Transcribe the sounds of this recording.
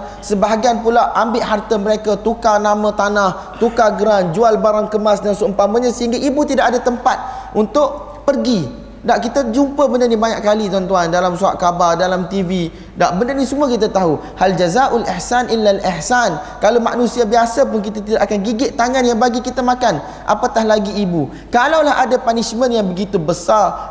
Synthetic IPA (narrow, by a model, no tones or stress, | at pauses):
səbaɦaɡianpulaʔambɪʔɦart̪əməɾekat̪ukanamə̃t̪anãh | t̪ukaɡəɾand͡ʒualbaɾaŋkəmasdansuəmpaməɲãsəɦiŋɡaʔibut̪idaʔadat̪əmpat̪̚ʔunt̪ʊʔ | pərɡi | daʔkit̪ad͡ʒumpəbəndərnibaɲaʔkalit̪uant̪uandalamsua̰ʔkabardalamt̪ivi | daʔbənərnisəmuakit̪̬at̪aɦu | hald͡ʒazaʔʊlɪħsanʔɪlːalɪħsankaloma̰ʔnũsiabiasapʊnk̬it̪at̪̬idaʔakanɡiɡɪʔt̪aŋãnjaŋbaɡikit̪amãkan | ʔa̰pakahlaɡiːbu | kalawlahʔa̰dapaniʃmə̃njaŋbəɡit̪ubəsar